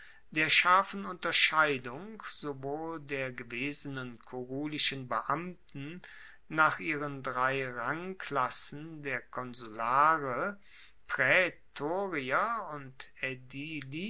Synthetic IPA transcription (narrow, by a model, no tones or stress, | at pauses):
d̥eːɐʃaɐfn̩ʊntɐʃaɪdʊŋz̥ovoːldeːɐɡəveːzənənkʰoʁuːlɪʃənbəʔamtn̩ | naːχʔiːʁ̞əndʁaɪʁaŋkʰlasn̩deːɐkʰɔnzulaːʁə | pʁ̥ɛtʰoːʁiɐʊntɛdili